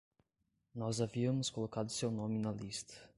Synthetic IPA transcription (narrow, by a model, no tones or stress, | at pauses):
nɔzaviəmskolˠɔkad̪siɛwnɔminalist̪